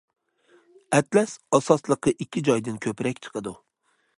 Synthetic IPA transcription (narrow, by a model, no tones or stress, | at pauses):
ɛt̪lɛsɑsɑslˠəqɨʔikʲʰːid͡ʒɒjd̪ɨnkʲʰɵpɾɛk̚ʲt͡ʃʰɨ̥qʰɨd̪u